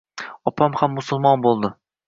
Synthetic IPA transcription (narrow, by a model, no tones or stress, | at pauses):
ɒpʰamhamːʊsʊlˠmɒnbolˠd̪ɪ